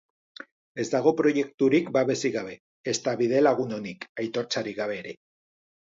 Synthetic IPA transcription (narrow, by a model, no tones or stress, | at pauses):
e̞zd̪aɣ̞o̞pɾo̞je̞kt̪uɾikbaβe̞siɣaβ̞e̞ː | st̪aβið̞e̞laɣ̞uno̞nikajt̪o̞ɾt͡saɾiɣaβ̞e̞ːɾe̞